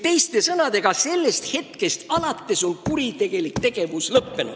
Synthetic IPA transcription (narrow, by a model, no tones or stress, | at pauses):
t̪e̞jst̪e̞sɤnɑd̪e̞ɡ̥ɑse̞lːe̞st̪he̞t̪ke̞st̪ɑlɑt̪ːˑe̞so̞nkuɾit̪e̞ɡ̥e̞likt̪e̞ɡ̥e̞vuslɤpːe̞nṵ̥